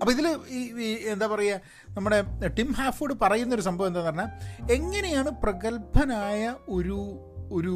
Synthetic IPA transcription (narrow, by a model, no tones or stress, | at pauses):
ɐpːoiðiliːend̪aːpɐrɐjːa | nɐmːuɽe̞ʈimɦaːfoːɽɨpɐrɐjunːɐo̞ɾusɐmbʱɐʋɐend̪aːnɐrɲːaːe̞ŋːɐne̞jaːɳɨprɐɣɐlpɐnaːjɐoɾu | oɾu